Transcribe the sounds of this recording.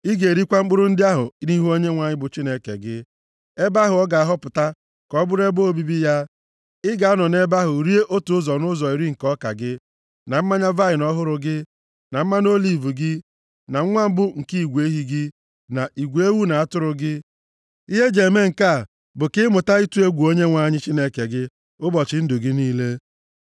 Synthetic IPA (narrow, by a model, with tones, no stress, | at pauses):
ɪ˦ɡe˨ɾi˦kʷa˦ŋ͡m̩˦k͡pʊ˦ɾʊ˦n̩˦dɪ˦a˦ɦʊ̰˨˦ni˦ɦu˦o˦ɲe˦ŋʷa˨ɲɪ˦bʊ˨t͡ʃi˦ne˦kḛ˨ɡɪ˦ | e˦ba˦ɦʊ˨ɔ˦ɡa˨a˨ɦɔ˦pʊ˨ta˦ | kɔ˦bʊ˦ɾe˦bo˦o˦˨bi˦bi˦ja˦ | ɪ˦ɡa˨a˦nɔ˨ne˦ba˦ɦʊ˨ɾi˦e˦ʔo˦tu˨ʊ˦zɔ˨nʊ˦zɔ˨i˨ɾi˦ŋ̩˨kɔ˦ka̰˨ɡɪ˦ | na˨m̩˦ma˦ɲa˦va˦ɪ˨nɔ˦ɦʊ˦ɾʊ˨ɡɪ˦ | na˨m̩˦ma˦no˦li˨vu˨ɡɪ˦ | na˨ŋ̩˦ŋʷa˦m̩˦bʊ˦ŋ̩˨ki˦i˨ɡʷe˦ɦi˨ɡɪ˦ | na˨i˨ɡʷe˦wu˦na˨a˦tʊ˦ɾʊ˨ɡɪ˦ | i˦ɦe˦d͡ʒe˨me˦ŋ̩˨ka˦˨ | bʊ˨kɪ˦mʊ˨ta˦i˦tu˦e˦ɡʷu˨o˦ɲe˦ŋʷa˦˨ɲɪ˦t͡ʃi˦ne˦ke˨ɡɪ˦ | ʊ˦bɔ˨t͡ʃɪ˨˦n̩˦dʊ˨ɡɪ˦niː˦le˦